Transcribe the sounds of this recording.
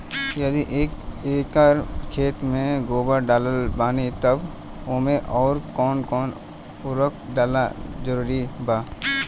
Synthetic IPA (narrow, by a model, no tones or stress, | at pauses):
jɐd̪iʔeːkeːkaːɾkʰeːt̪mẽɡoːbəɖaːləlbaːnit̪ɐb | oːmẽʔɔːɾkɔːnkɔːn | ʊɾək̚ʰɖaːla̰d͡ʒəɾuːɾibaː